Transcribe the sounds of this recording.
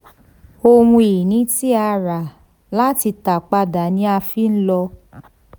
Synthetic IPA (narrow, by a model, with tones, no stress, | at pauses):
o˦˧wũ˧i˨nĩ˨˦ti˦a˧ɾa˨ | la˦ti˧ta˨k͡pa˧da˨nĩ˧˦a˧fi˦n̩˦lɔ˧